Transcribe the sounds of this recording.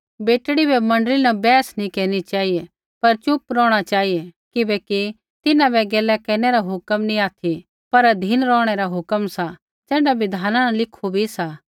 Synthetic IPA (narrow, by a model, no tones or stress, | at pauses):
beːʈɽibɛmɐ̃ɳɖəlinɐbɛːsnĩkɛːnit͡ʃaːɦije | pɐɾt͡ʃʊpɾɔːɽ̃at͡ʃaːɦijekɪbɛki | t̪ɪnãbɛɡɛːlɛkɛːneɾaɦʊkəmnĩaːt̪ʰi | pɐɾd̪ʱiːnɾɔːɽ̃eɾaɦʊkəmsa | d͡ʒɛ̃ːɳɖabɪd̪ʱaːnanalɪkʰobʱisa